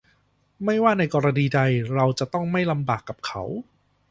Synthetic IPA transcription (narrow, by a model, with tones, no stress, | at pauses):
ma˥˩jwaː˥˩na˧jkɔː˧ɾa˧niː˧da˧jɾa˧wt͡ɕa˨˩t̪ɔ˥˩ŋma˥˩jla˧mbaː˨˩kːa˨˩p̚kʰa˦˥w